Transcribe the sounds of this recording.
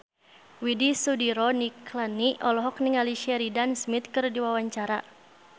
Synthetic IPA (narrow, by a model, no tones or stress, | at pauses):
widisudiɾɔniklaniɔlɔɦɔkniŋaliʃɛɾidansmit̪̚kɨrdiwawaɲt͡ʃaɾa